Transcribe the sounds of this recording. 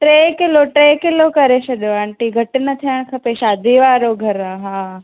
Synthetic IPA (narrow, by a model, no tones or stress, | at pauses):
ʈɾeːkɪloʈɾeːkɪlokɐɾesɐɗoaːɳʈiɡʱɐʈɪnət̪ʰijəɽ̃kʰɐpeʃaːd̪ʱiʋaːɾoɡʱɐɾãɦãː